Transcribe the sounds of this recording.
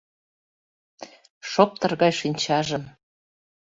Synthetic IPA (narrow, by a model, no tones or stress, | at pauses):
ʃop̚t̪ɤrɣɑjʃinʲt͡ɕɑʒə̆m